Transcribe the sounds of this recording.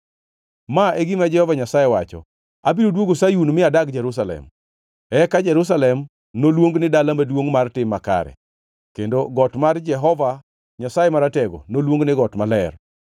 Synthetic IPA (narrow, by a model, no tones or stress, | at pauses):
maɛɡɪmad͡ʒɛhɔvaɲasajewat͡ʃɔ̰ | abiɾodwoɡosajunmɪadaɡd͡ʒɛɾus̬alɛ̰m | ɛkad͡ʒɛɾus̬alɛm | nolwoŋɡnɪdalamadwoŋmartɪmːaka̰ɾɛ̰ | kendoɡɔtmard͡ʒɛɦɔva | ɲasajɛmaɾatɛɡo̰nolwoŋɡnɪɡɔtmalɛr